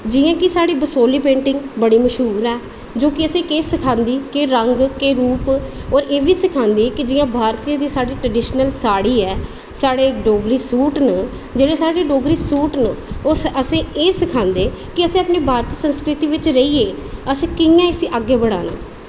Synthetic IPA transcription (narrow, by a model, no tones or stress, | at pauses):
d͡ʒɪjãːkɪsaːɽiːbəsoːliːpẽːɳʈɪ̃ŋɡbəɽiːməʃɦuːɾɛː | d͡ʒoːkɪəsẽːkeːsɪkʰãːnd̪iːkeːɾəŋɡkeːɾuːpɔːɾeːʋiːsɪkʰãːnd̪iːkɪd͡ʒɪjãːbʱaːɾt̪iːãd̪iːsaːɖiːʈɾəɖɪʃnəlsaːɽiːɛː | saːɽeːɖoːɡɾiːsuːʈnə | d͡ʒeːɽeːsaːɽeːɖoːɡɾiːsuːʈnəoːəsẽːeːsɪkʰãːnd̪eː | kɪəsẽːapniːbʱaːɾt̪iːsənskɾɪt̪iːʋɪt͡ʃɾəiːeː | əsẽːkɪjãːɪsĩːʔaɡːeːbəɽa̰ːna̰ː